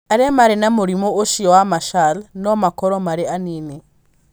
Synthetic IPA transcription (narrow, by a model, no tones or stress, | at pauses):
aɾemaɾenamoɾimooʃiɔwamaʃalnɔmakɔɾɔmaɾeanine